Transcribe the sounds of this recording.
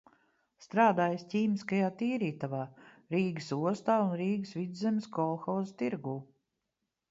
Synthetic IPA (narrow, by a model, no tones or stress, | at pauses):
st̪ɾaːd̪aːjscʲiːmiskajaːt̪iːɾiːt̪avaː | ɾiːɡəsuɔst̪aːunɾiːɡəsvid̪zɛmʲskɔlˠxɔːzst̪iɾɡuː